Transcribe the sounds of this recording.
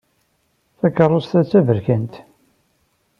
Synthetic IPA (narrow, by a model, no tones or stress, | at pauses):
θækːərˤːost̪æt͡sːævəɾçənt̪